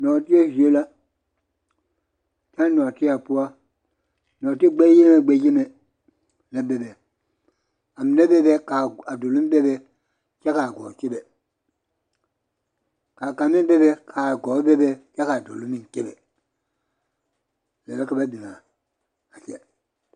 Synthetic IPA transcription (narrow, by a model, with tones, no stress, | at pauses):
nɔ˨ti˦e˦hi˨o˦la˦ | ta˦nɔ˨ti˦a˨pu˦wa˦ | nɔ˨ti˦ɡ͡be˦je˦me˨ɡ͡be˦je˦me˨ | le˦be˨bɛ˨ | a˨mi˨ne˦be˦be˦ka˨a˨do˨lu˦m˦be˦bɛ˨ | ka˦ka˨ɡo̰˨ke˦bɛ˨ | ka˨ka˨mi˦be˦be˦kʰa˨ɡɔ˨˦be˦be˦˨ka˦ka˨do̰˨lu˦mi˦ŋ˨ke˦be˨ | lḛ˨le˦ka˦ba˦bi˨na˨ | a˨kɛ̰˦